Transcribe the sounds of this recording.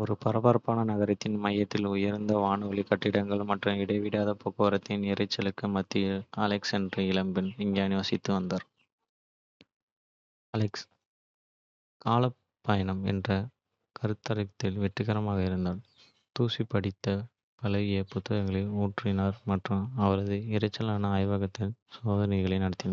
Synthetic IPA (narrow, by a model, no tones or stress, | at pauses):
ɔɾɯpɐɾɐbaːɾpaːnɐnɐɣɐɾɐt̪ːɪnmɐjːɐt̪ːɪlʊjɐɾnd̪ɐʋaːɳɯʋɐɭɪkːɐʈːɪɽɐŋɡɐɭmɐʈrɐ̃mɪɽɐɪʋɪɽaːðɐpɔɣoːɐɾɐt̪ːɪnɪɾɐɪt͡ʃːɐlɯkːɯmɐt̪ːijɐlɐksɛndrɯɪlɐmbɪnɪɲd͡ʒaːnɪʋɐsɪt̪ːɯʋɐnd̪aːɾ | ɐlɐks | kaːlɐ | pːɐjɐnɐmɛ̰ndrɐ | kʰɐɾɯt̪ːɐɾɐt̪ːɪlʋɛʈrɯɣɐɾɐmaːɣɐɪɾɯnd̪aːɾ | t̪uːsipːɐɽɪt̪ːɐ | pɐlɐɐpʊt̪ːɐɣɐŋɡɐɭɪluːʈrɪnaːɾmɐʈrɯ̃ɐʋɐɾɐðɯɪɾɐt͡ʃːɐlaːnɐaːjʋɐɣɐt̪ːɪlsoːðɐnɐɪɣɐɭɐɪnɐɽɐt̪ːɪnɐ